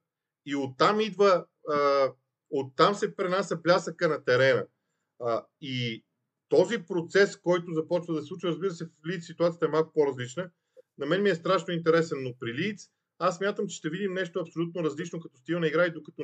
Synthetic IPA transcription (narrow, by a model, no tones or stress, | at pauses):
iot̪ːamid̪və | ot̪ːamsɛpɾɛnasʲɐplʲasəkənɐt̪ɛɾɛnə̰ | i | t̪ɔzipɾot̪sɛskɔjt̪ozɐpɔt͡ʃvəd̪ɐsɛsˠut͡ʃiɾɐzbiɾəsɛflit̪ssːit̪uat̪sijət̪ɛmalˠku̥poɾɐzlit͡ʃnə | nɐmɛnmiɛst̪ɾaʃnoint̪ɛɾɛsɛnːopɾilit̪s | assːmʲjat̪əmt͡ʃɛ̥ʃt̪ɛvid̪imnɛʃt̪oɐpsolʲut̪noɾɐzlit͡ʃnokɐt̪ɔst̪inɐiɡɾaid̪okɐt̪ɔ